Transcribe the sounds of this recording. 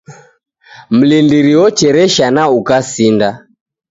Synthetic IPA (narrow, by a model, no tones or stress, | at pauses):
m̩lindiɾiɔt͡ʃɛɾɛʃanaukasinda